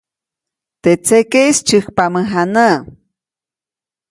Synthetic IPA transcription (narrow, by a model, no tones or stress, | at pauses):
t̪et͡sekejst͡ʃɨhpaməɦanə